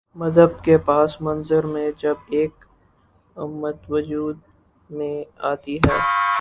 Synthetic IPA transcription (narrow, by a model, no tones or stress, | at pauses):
mɐzɦəbkepaːsmɐ̃nzəɾmẽd͡ʒɐbeːk | ʊmːət̪ʋʊd͡ʒuːd̪̚ | mẽaːt̪iɦɛː